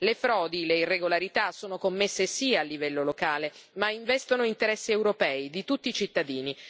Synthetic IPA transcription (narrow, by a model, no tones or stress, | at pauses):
lefɾɔːd̪ileirːeɡolaɾit̪asːoːnokomːesːesialːivɛlːolokaːle | maiɱvɛst̪onoint̪eɾɛsːiɛwɾopɛːid̪it̪ut̪ːiːt͡ʃit̪ːad̪iːni